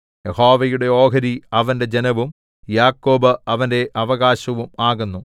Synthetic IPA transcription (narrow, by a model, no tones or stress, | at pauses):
jeho̞ːʋɐjuɽe̞o̞ːɡɐɾiɐʋɐnde̞d͡ʑenɐʋum | jaːkːo̞ːbɨɐʋɐnde̞ʔɐʋɐɣaːɕɐʋumaːɣunːu